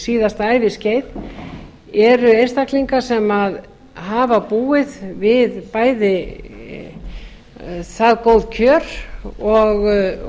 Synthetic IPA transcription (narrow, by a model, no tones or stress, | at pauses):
siːðast̪aːjvɪsceːjt̪ | ɛɾʏejnst̪akliŋkasɛmað | ɦaːvapuːɪðvɪðpaːjðɪ | θaðkow̪ðcʰœːɾ̥ɔɣ